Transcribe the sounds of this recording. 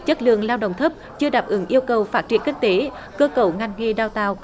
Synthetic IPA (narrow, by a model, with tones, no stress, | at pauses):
t͡ɕə˦˥t̚lɨ̰˧˨əŋlaː˧wɗə̰˧˨wŋ͡mt̪ʰə˦˥p̚t͡ɕɨ˧əɗaː˨˩p̚ʔɨ˨˦ŋʔi˧əwkə˨˩wfaː˦˥t̚t͡ɕi˧˩ənkï˦˥ŋ̟̚t̪e˨˦ | kəː˧kə˧˩wŋa˨˩jŋ̟ŋe˧˩ɗaː˧˩wt̪aː˧˨w